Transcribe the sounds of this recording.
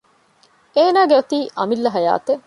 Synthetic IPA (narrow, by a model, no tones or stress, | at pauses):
eːnaːɡeʋɐt̪iːʔɐmilːɐɦɐja̰ːt̪e